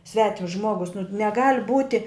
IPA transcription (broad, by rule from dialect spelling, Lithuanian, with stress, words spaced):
ˈsʲʋʲæːtʲɪms ˈʒmuɔɡʊs nʊ nʲɛˈɡɐlʲ ˈbuːtʲɪ